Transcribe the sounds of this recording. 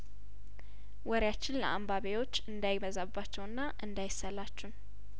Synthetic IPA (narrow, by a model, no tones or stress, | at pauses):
wɔɾjat͡ʃːɪnlə̰ʔambaβejo̞t͡ʃːɨnd̪ajɪməzabːat͡ʃːɛwɨnːaʔɨnd̪ajɪsːəlat͡ʃːun